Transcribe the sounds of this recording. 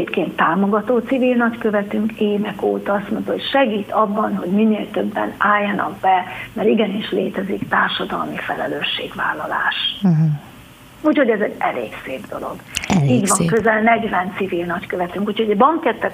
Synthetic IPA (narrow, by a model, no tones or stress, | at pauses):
t̪keːnt̪ːaːmo̞ɡɒt̪oːt̪sivilnɒckø̞vɛt̪yŋkeːvɛkoːt̪ɒɒst̪mo̞nt̪ɒɦocʃɛɡiːt̪ʰɒbːɒnɦo̞ɟminːeːlt̪øbːɛ̰naːjːɒnɒ̰ɡ̚bɛmɛɾiɡɛniʃleːt̪ɛzikt̪aːrʃɒd̪ɒ̰lmifɛlɛløːʃːeːɡva̰ːlːɒla̰ːʃ | uːcho̞ɟɛzɛɟɛlḛːkseːbd̪o̞̰lo̞̰ɡiːɟʋɒŋkøzɛlnɛɟvɛnt̪sivilnɒckøvɛt̪yŋkuːcho̞ɟɒbɒŋkɛt̪ːɛ